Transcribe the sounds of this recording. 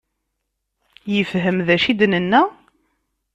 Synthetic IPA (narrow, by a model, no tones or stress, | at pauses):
jəfɦəmðæʃid̪nənːæ